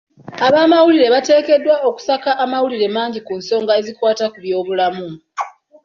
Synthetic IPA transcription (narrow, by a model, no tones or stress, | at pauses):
aβaːmawuliɾe̞βate̞ːke̞dːwao̞ku̥sakaʔːmawuliɾe̞maːɲɟikunso̞ːŋɡae̞zikwaːtakuβjo̞ːβulamu